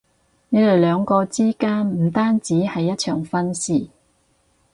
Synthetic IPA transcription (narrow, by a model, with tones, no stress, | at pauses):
ne˨˧t̪o˨wlœː˨˧ŋkɔː˧t͡siː˥kaː˥nm̩˨˩t̪aː˥nt͡siː˨˥hɐ˨jːɐ˥t̚t͡ʃʰœː˨˩ŋfɐ˥nsiː˨˩